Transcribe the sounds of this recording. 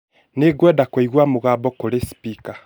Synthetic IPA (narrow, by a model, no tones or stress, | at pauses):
neɡwɛdakoiɣwamoɣaːbɔkoɾespika